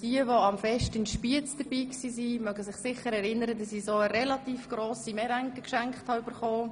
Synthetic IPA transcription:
d̥iəʋoɑmfɛʃtɪnʃpiət͡sd̥əɾb̥iːksiːsimœɡəsɪχsɪχəɾɛɾɪnəɾədɑsisoːəɾɛlɑt̪iːfɡ̥ɾoːsimɛɾæŋkəkʃɛŋkχthɑyb̥əɾχoː

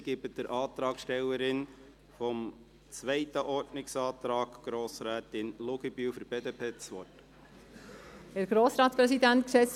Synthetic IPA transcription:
ɡ̥ɪbət̚d̥əɾʔɑːt̪ɾɑːɡʃtɛlːəɾɪn | fɔm | t͡sʋɛɪtəʔɔɾtnɪksɑːt̪ɾɑːɡ̥ɡ̥ɾoːsɾæːt̪ɪnlʊɡ̥ibyfəɾbeːdeːpʰeːt͡sʋɔt | hæɾɡ̥ɾoːsɾɑːtt͡sspɾɛsidænt̪̚ksɛs

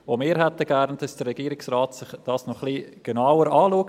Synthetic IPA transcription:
omɪːɾɦɛtəɡ̥æɾnd̥ɑsd̥əɾːɛɡ̥iːɾɪksraːtsɪχd̥ɑːsnɔχliːɡ̥enawəɾɑːluək

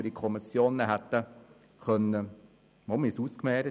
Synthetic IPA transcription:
ədikʰɔmɪsjoːnəɦæt̪ːə | χœnːə | momisuskmɛːɾə

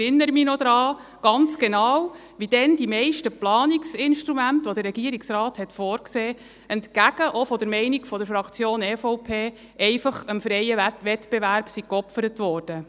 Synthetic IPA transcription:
ɪnːəɾəminɔd̥̪ɾɑːɡ̥ɑnt͡sɡ̥enɑːw | ʋid̥ɛnd̥imɛɪʃtəplɑːniksɪnʃtɾumæntʋɔd̪əɾːɛɡ̥iəɾiksrɑːthɛtfɔːɾkseː | əntkæɡ̥əʔɔfɔd̥əɾmɛɪnikfɔd̥əɾfɾɑkt͡sjoːnɛfɔʊpʰeː | ɛɪfɑχəmfɾɛɪəʋɛtb̥eʋæɾb̥sikɔpfəɾətʋɔːɾd̥ə

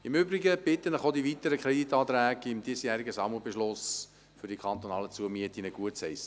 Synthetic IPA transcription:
ɪmʏbɾiɡəb̥ɪt̪ənəχod̪iʋit̪əɾəkʰɾed̪it̪ɑːt̪ɾæːɡɪmd̥̪iːsjæːɾiɡəsɑməbeʃlʊs | fʏɾdikʰχɑnt̪onɑːlət͡suəmiət̪inəɡ̥uətshɛɪs

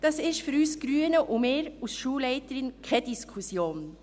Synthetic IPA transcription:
d̥ɑsɪʃtfyɾyːsɡ̥ɾyːənəʔʊmeːɾusʃuːlɛɪtəɾɪnkʰɛd̥iskʰusjoːn

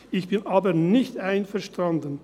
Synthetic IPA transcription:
ɪçb̥ɪnʔaːbɐnɪçtaɪnfɛɐʃtandən

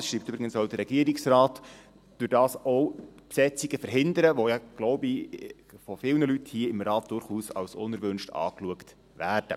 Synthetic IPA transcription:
ɑsʃɾiːp̚tʏbɾiɡənsɔwd̥ərɾɛɡ̥iəɾiksɾɑːt | d̥ʉɾd̥ɑːsɔwpsɛt͡siɡəfəɾɦɪnd̪əɾəʋɔjɑɡ̥lɔʊbi | fɔfɪlnəlythiəɪmɾɑːt̚d̥ʊɾχuːsɑ̰wsʊnəɾvɵnʃtɑ̰ːkluəkt | væːrd̥ə̰

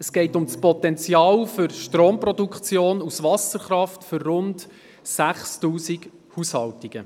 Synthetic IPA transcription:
əsɡ̥ɛɪtʊmspɔt̪ɛnt͡sjɑːlfʏɾʃtɾoːmprɔdukχt͡sjoːnusʋɑsəɾχɾɑftfʏrːʊnt | sæχstuːsiɡ | huːshɑltiɡ̥ə

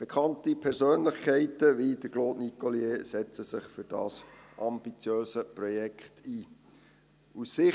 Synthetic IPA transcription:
b̥ekʰχɑntipʰɛɾsøːnlɪχkʰɛɪtəʋid̥əɡloːdnikoljeːsɛt͡səsɪχfyɾd̥ɑ̰ːsʔɑmbit͡sjøːsəprɔjɛkʰχtʰiː | usːɪ

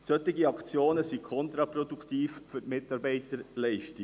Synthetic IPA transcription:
sœtːɪɡiɑkt͡sjoːnəsikʰɔnt̪ɾɑpɾɔdukʰtiːffʏɾtmɪtɑɾbɛɪtəɾlɛɪʃtɪ

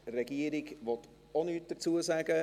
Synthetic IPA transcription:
rɛɡiəɾɪɡʋɔt | onyːt̚d̥ət͡suəsæɡə

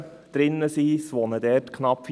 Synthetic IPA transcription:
d̥ɾɪnːəsiːsʋɔnədɛːtkʰnɑpf

